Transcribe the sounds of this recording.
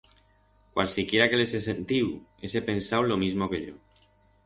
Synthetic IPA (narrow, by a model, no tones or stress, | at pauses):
kwa̰lsikjeɾakelesesent̪iwesepensawlomizmokeʎo